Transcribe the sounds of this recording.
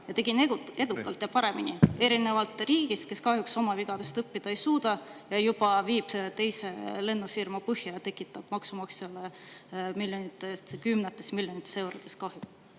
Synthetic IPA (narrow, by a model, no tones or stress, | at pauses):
jɑt̪e̞ɡ̥inee̞d̪ukːˑɑlt̪jɑpɑɾe̞minie̞ɾine̞vɑlt̪ˑriːɡ̥ist̪̚ke̞skɑɦjukso̞mɑviɡ̥ɑd̪̥e̞st̪ɤpːid̪̥ɑejsuːd̪̥ɑjɑjub̥ɑviːb̥t̪e̞jse̞le̞nːufirmɑpɤhjɑjɑt̪e̞kːˑit̪ːˑɑb̥mɑksumɑkselemilʲjonit̪ːˑest̪kymnet̪ːˑesmilʲjo̞nit̪ːˑese̞wɾot̪e̞skɑhjuk